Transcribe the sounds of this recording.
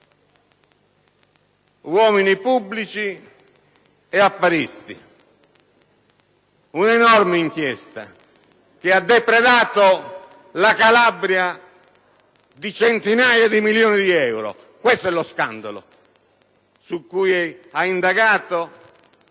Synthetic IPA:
wɔːminipubːlit͡ʃi | ɛafːaɾist̪ḭ | unɛnɔrmɪiŋkjɛst̪a̰ | kɪad̪ːɛpɾɛðaːt̪o | lakalabɾja | d̪it͡ʃɛnt̪inaːjad̪imiljɔːnid̪iɛwɾɔ̰ | kwɛst̪oɛlːɔskand̪alʊ̰ | sukːujɛaind̪aɣaːt̪o

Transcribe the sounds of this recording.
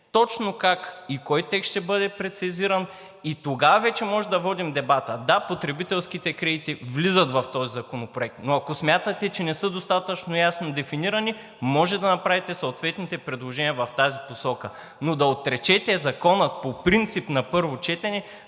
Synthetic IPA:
t̪ɔt͡ʃnokakikɔjt̪ɛkʃt̪ɛbɤd̪ɛpɾɛt̪siziɾɐn | it̪oɡavɐvɛt͡ʃɛmɔʒɛd̪ɐvɔd̪imd̪ɛbat̪əd̪apot̪ɾɛbit̪ɛlˠskit̪ɛkɾɛd̪it̪ivlizət̪vɐft̪ɔzizɐkonopɾoɛk̚t̪noɐkosmʲjat̪ɐt̪ɛt͡ʃɛnɛsɤd̪ost̪at̪ɐt͡ʃnojasnod̪ɛfiniɾɐni | mɔʒɛd̪ɐnɐpɾavit̪ɛsoːt̪vɛt̪nit̪ɛpɾɛd̪lˠoʒɛnʲiəvɐft̪aziposɔkə | nod̪ɐot̪ɾɛt͡ʃɛt̪ɛzɐkɔnət̪̚popɾint̪sipnɐpɤɾvot͡ʃɛt̪ɛnɛ

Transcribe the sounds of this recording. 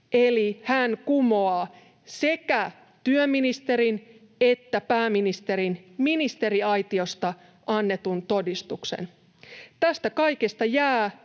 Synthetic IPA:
elihænkumoɑː | se̞kæ | t̪yømːinist̪e̞ɾin | et̪ːæpæːminist̪e̞ɾinminist̪e̞ɾiɑjt̪io̞st̪ɑ | ʔɑnːe̞t̪unt̪o̞dist̪uksḛn | t̪æst̪ækɑikest̪ɑjæː

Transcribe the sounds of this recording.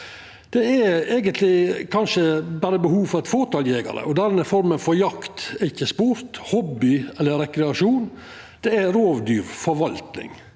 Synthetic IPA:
d̪̥ɛæɾeːɡənt̪ʰlɪkʰɑnʂəbæːɾəbəhuːʋfɔɾɛt̪foːt̪ɑljeːɡɑ̰ɾə̰ʔɔd̪ɛnəfɔɾmənfɔɾjɑkt̪æɾɪçːəspuːɾt̪hɔbːɪɛlːəɾɾɛkɾɛɑʂuːn | d̪̥ɛæɾoːʋd̪yːɾfɔɾʋɑlt̪nɪ̰ŋ

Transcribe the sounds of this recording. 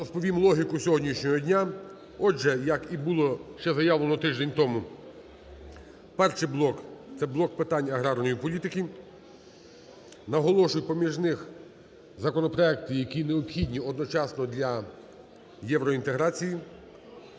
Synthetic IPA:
ɾɔspɔʋʲimlˠɔɦʲikʊsʲɔɦɔdʲnʲiʃnʲɔɦɔdʲnʲa | ɔʒɛjɐkibulˠɔʃt͡ʃɛzɐjaʋlˠenɔt̪ɪʒd̪enʲt̪ɔmu | pɛrʂɪjblˠɔkt̪sɛblˠɔk̚pɪt̪ɑnʲɐɦɾɑrnɔjipɔlʲit̪ɪkʲi | nɐɦɔlˠɔʃʊjʲpɔmʲiʒnɪx | zɐkɔnɔpɾɔɛk̚t̪ɪjɐkʲineɔpxʲidʲnʲiɔd̪nɔt͡ʃɑsnɔd̪lʲɐ | jɛʋɾɔint̪eɦɾɑt͡sʲiji

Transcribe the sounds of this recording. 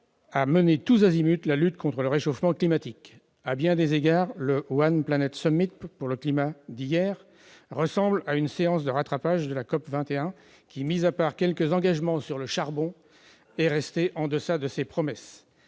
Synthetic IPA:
amənet̪uzazimyt̪lalyt̪kʰɔ̃t̪χələʁeʃofmɑ̃klimat̪ik | abjɛ̃d̪ezeɡaʁləwanplanɛt̪sɔmit̪̚puʁləklimad̪ijɛʁː | əsɑ̃blaynseɑ̃sd̪əʁat̪χapaʒd̪əlakɔpvɛ̃t̪eɛ̃ | kʲimizapaʁkʲɛlkəzɑ̃ɡaʒmɑ̃syʁləʃaʁbɔ̃ | ɛʁɛst̪eʔɑ̃d̪əsad̪əsepχɔmɛs

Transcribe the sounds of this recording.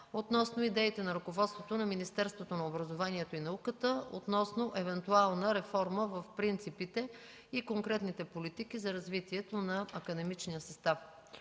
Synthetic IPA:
ot̪nɔsnoid̪ɛit̪ɛnɐɾʊkovɔt̪st̪vot̪onɐminist̪ɛɾst̪vot̪onɐobɾɐzovaniɛt̪oinɐukət̪əo̰t̪nɔsnoʔɛvɛnt̪ualˠnəɾɛfɔɾməvɐfpɾint̪sipit̪ɛ | ikoŋkɾɛt̪nit̪ɛpolit̪ikizɐɾɐzvit̪iɛt̪onɐɐkɐd̪ɛmit͡ʃnijəsɐst̪af

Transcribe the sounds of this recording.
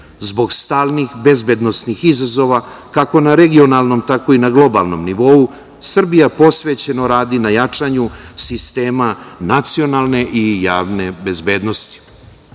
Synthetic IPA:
zbo̞ɡst̪aːlˠnixbe̞zbed̪no̞snixizazo̞ʋakako̞naɾe̞ɡio̞naːlˠno̞mt̪ako̞inaɡlˠo̞ba̰lˠno̞̰mniʋo̞u | sr̩bijapo̞sʋe̞t͡ɕe̞no̞ɾaːd̪inajat͡ʂaɲusist̪e̞ːmanat̪sio̞nalˠne̞ʔijaːʋne̞be̞zbe̞ːd̪no̞st̪i̥

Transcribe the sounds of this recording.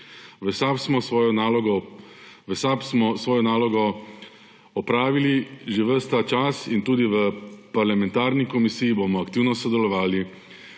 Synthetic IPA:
ʋəsapsmɔsʋɔjɔnalɔɡɔʋəsapsmɔsʋɔːjɔnaːlɔɡɔ | ɔpɾaːʋiliʒeʋəst̪at͡ʃasint̪uːd̪iʋəpaɾlamɛ̃nt̪aːɾnikɔmisijibomɔakt̪iːwnɔsɔd̪ɛlɔʋaːli

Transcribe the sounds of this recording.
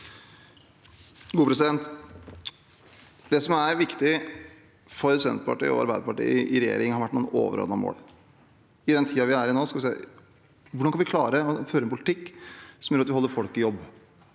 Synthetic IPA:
ɡuːpʰɾɛsɪd̪ɛnt̪ | d̪ɛsɔmæɾʋɪkt̪ɪ | fɔɾsɛnpʰɑ̰ʈḭːɔ̰ɑ̰ɾbæɪd̪əpɑʈḭːɪɾɛjḛːɾɪŋhɑɾʋæʈːnuːəno̰ːʋə̰ɾɔ̰ːd̪nɑmo̰ːɽ | ɪd̪ɛnt̪ʰiːɑʋɪæɾɪnoːskɑlʋɪsḛ | ʋʊɖɑnkɑnʋɪkʰlɑːɾəɔføːɾəɛnpʰʊlɪt̪ʰɪkːsɔmjøːɾɑt̪ʋɪɔlːəɾfɔlkɪjɔbː

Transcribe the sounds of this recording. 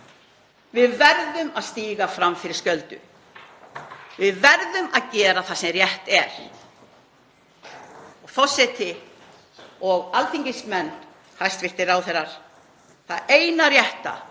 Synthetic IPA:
vɪðvɛɾðʏmaðst̪iːɣafɾamfɪɾɪɾ̥scœlt̪ʏ̰ | vɪðvɛɾðʏmaðcɛːɾaθasɛmrjɛht̪ɛɾ̥ | ɔɣθɔsɛt̪ɪ | ɔɣalt̪ʰiɲcɪsmɛnː | hajst̪vɪht̪ɪɾawθɛɾːaɾ̥ | θaðeːjnarjɛht̪a̰

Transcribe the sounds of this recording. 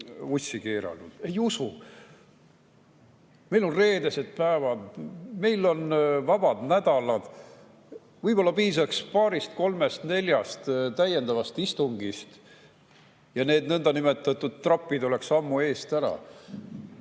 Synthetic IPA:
usʲːike̞ːɾɑ̰lnud̪̥e̞jusu | me̞jlo̞nre̞ːd̪e̞se̞d̪̥̚pæːvɑd̪me̞jlo̞nvɑb̥ɑd̪̥næd̪̥ɑlɑd̪̥ | vɯjbo̞lːɑpiːsɑkspɑːɾist̪̚ko̞lme̞st̪ne̞lʲjɑst̪t̪æje̞nd̪̥ɑvɑst̪ist̪uŋɡist̪ | jɑne̞ːd̪nɤnd̪̥ɑnime̞t̪ːˑɑt̪ːˑud̪̥̚t̪ːrɑpˑːid̪o̞le̞ksɑmːue̞ːst̪æɾɑ̰

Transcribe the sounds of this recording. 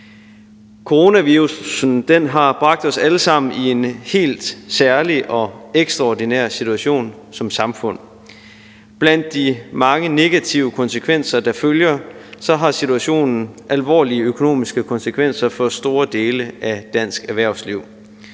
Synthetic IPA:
kʰo̝ʁo̝næʋiʁusn̩d̥enɦɑ̈b̥ʁɑ̈ɡ̥̚d̥ɒ̽sæləsɑ̈m̰n̩ie̝nhe̝̰ːld̥sæɐliʔɒ̽eɡ̥sd̥ʁɑ̈ɒdinæɐ̰sit͡sʰuæɕo̝̰ːn | sɒ̽msɑ̈mfɔ̽n̰ | b̥læn̰d̥ːimɑ̈ŋəne̝ɡ̥æt͡sʰiʊəkʰɒ̽nsəkʰʋen̰sɐd̥ɑ̈føljɐsɒ̽ɦɑ̈sit͡sʰuæɕo̝̰ːnn̩ʔælʋɒ̰ːliəøkʰo̝no̝̰ːmisɡ̥əkʰɒ̽nsəkʰʋen̰sɐfɒ̽sd̥o̝ːɐd̥e̝ːləʔæd̥æn̰sɡ̥æʋæɐ̰ʊsliʊ̰

